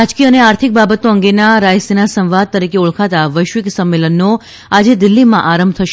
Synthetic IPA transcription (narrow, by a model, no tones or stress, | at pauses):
ad͡ʒkiəəneaɾt̪ʰik̚babət̪oəŋɡenaɾajsenasə̃wʋad̪̚t̪əɾikeuɭkʰat̪aʋəjʃʋɪksəmːelənːo | ad͡ʒed̪ɪlːimã̰ʔaɾəmb̚ʱt̪ʰəʃ